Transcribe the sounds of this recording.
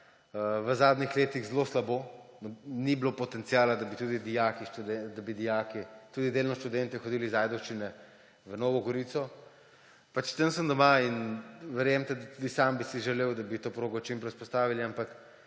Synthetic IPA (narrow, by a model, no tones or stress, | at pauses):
əʋəzaːd̪nixleːt̪iɣzloslaboː | niblopɔt̪ɛnt̪sijaːlad̪abit̪uːd̪id̪ijaːkiʃt̪ud̪ɛd̪abid̪ijakit̪uːd̪id̪eːlnɔʃt̪ud̪ɛnt̪ixod̪iːlizaːjd̪ɔwʃt͡ʃinɛ | ʋənɔːʋɔɡɔɾiːt̪sɔ | pat͡ʃt̪ənsənd̪ɔmainʋɛɾjɛmt̪ɛd̪at̪ud̪isambisiʒɛleːwd̪abit̪oːpɾoːɡɔt͡ʃimpɾɛwspɔst̪aːʋiliampak